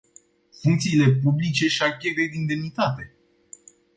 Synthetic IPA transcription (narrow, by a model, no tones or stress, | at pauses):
fuŋkt̪siːle̞publit͡ʃe̞ʃakʲeɾejd̪ind̪e̞mnit̪at̪e̞